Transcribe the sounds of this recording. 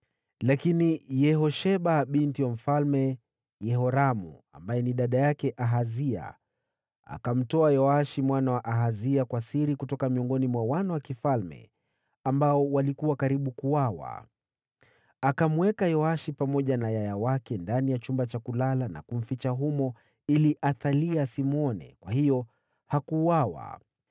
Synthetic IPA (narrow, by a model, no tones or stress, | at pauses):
lakinijɛɦɔʃɛɓaɓintiwam̩falmɛ | jɛɦɔɾamṵa̰mbajɛniɗaɗajakɛʔaɦazia̰ | a̰kam̩tɔajɔaʃimwanawaʔaɦaziakwasiɾikutɔkamiɔŋɡɔnimwawanawakifalmɛ̰ | ambaɔwalikuwakaɾiɓukuwawa̰ | akamuwɛkajɔaʃipamɔʄanajajawakɛndanijat͡ʃumbat͡ʃakulalana̰kum̩fit͡ʃaɦumɔ | iliʔaθaliasimɔnɛ̰kwahijɔ | hakuwawa̰